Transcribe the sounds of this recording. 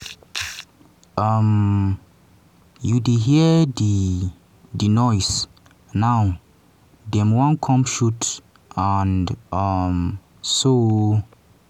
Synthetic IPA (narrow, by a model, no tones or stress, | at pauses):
ʌm | judiɦiədi | dənɔjs | naw | dɛ̃mwɔ̃nkʰɔ̃mpʃut | ãndʌm | so